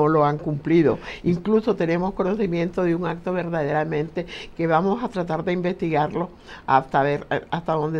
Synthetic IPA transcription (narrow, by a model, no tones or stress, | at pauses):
olo̞aŋkumpliðo̞̰iŋkluso̞t̪e̞ne̞mo̞sko̞noθimjẽ̞nt̪o̞ðeuŋak̚t̪o̞βe̞ɾðaðeɾamẽ̞nt̪e̞ke̞βamo̞sat̪ɾat̪aɾðeimbe̞st̪iɣaɾlo̞ | ast̪aβe̞ɾast̪aðo̞nd̪e